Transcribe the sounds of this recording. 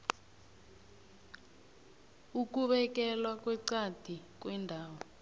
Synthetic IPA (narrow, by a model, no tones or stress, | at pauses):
ukuɓɛk̬ɛlwakwɛǀad̥ʱik̬ʼwɛndʱaːwɔ